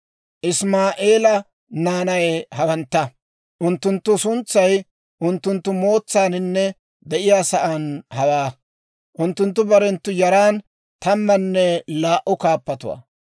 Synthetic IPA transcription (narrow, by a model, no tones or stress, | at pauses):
ʔɪsmaːʔeːlɐ | naːnɐjɛhɐwɐnt̪ːɐ | ʔʊnt̪ːʊnt̪ːʊsʊnt͡sːɐj | ʔʊnt̪ːʊnt̪ːʊmo̞ːt͡sːaːnɪnːɛ | d̪ɛʔɪjaːsɐʔanhɐwaː | ʔʊnt̪ːʊnt̪̬ːʊbɐɾɛnt̪ːʊjɐɾaːn | t̪ɐmːɐnːɛlaːʔʊkaːpːɐt̪ʊwa̰ː